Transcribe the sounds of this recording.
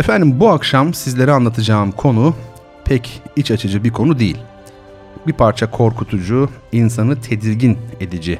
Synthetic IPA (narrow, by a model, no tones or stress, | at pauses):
efænd̪imbuakʃamsizlʲe̞ɾianlˠat̪ʰɯd͡ʒaːmkʰo̞nu | pʰɛcit͡ʃat͡ʃʰɯd͡ʒɯbiɾkʰo̞nud̪ejḭlʲ | bipʰaɾt͡ʃʰakʰo̞ɾkʰut̪ʰud͡ʒuinsanɯt̪ʰe̞d̪iɾɟine̞d̪id͡ʒi